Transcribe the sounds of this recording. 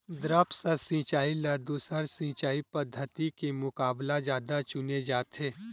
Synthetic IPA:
d̪ɾəpsɐsĩːt͡ʃaːilɐɾd̪usəɾsĩːt͡ʃaːipɐd̪ʱːət̪ikemʊkaːblad͡ʒjaːd̪at͡ʃʊned͡ʒaːt̪eː

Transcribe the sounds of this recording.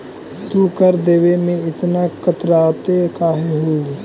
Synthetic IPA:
t̪ukəɾd̪eːʋemẽɪt̪nakɐt̪ɾaːt̪ekaːɦeɦuː

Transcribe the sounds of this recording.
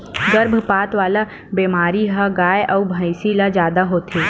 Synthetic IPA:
ɡɐɾbʱpaːt̪ʋaːla | beːmaːɾiɦaɡaːjeʔɐubʱəɪsilad͡ʒjaːd̪aɦoːt̪ʰeː

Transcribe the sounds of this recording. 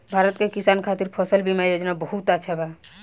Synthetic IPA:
bʱaɾət̪kekisankʰat̪iɾpʰɔsəlbimajod͡ʒnabɔɦut̪aʃʰaba

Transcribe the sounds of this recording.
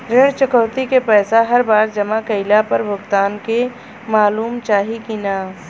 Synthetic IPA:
ɾeɽt͡ʃəkəʊt̪ikepɛːsaɦɐɾbaːɾd͡ʒɐmakɐɪlapɐɾbʱʊɡt̪aːnke | maːluːmt͡ʃaːɦikina

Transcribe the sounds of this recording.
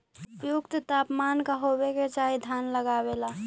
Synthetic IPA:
ʊpjukt̪t̪apmankaɦobeket͡ʃaɦid̪ʱjanləɡabela

